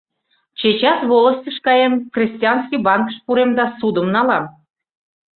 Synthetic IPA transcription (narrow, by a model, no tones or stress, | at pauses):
t͡ɕet͡ɕɑsβoləsʲtʲəʃkɑjemkrʲesʲtʲijɑnskijbɑnkə̥ʃpuɾemd̪ɑsud̪əmnɑlɑm